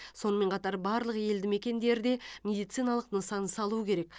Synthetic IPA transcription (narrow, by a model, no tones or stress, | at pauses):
so̞nəme̞ɴqʰɑt̪ɑɾbɑɾlˠəqje̞ld̪ɪme̞kʲe̞nd̪e̞ɾd̪e̞mʲe̞d̪ijt̪sijnɑlˠəqnəsɑnsɑlˠuəkʲʰe̞ɾe̞k̚